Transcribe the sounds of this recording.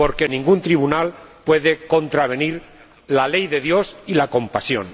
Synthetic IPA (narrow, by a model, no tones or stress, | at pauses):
po̞ɾke̞nĩŋɡunt̪ɾiβ̞unalpwe̞ðe̞ko̞nt̪ɾaβ̞e̞niɾ | lale̞jðe̞ðjo̞silako̞mpasjo̰n